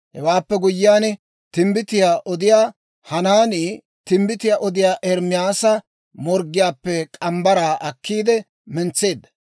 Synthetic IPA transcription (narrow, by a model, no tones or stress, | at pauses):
hɛwaːpːɛɡʊjːɪjaːnɛ | t̪ɪmbɪt̪ɪjaːʔɔd̪ɪjaː | hɐnaːniː | t̪ɪmbɪt̪ɪjaːʔɔd̪ɪjaːʔɛɾmɪjaːsɐ | mɔɾɡːɪjaːpːɛkʼɐmbɐɾaːʔɐkʰːiːd̪ɛ | mɛnt͡sːe̞ːd̪ːɐ̥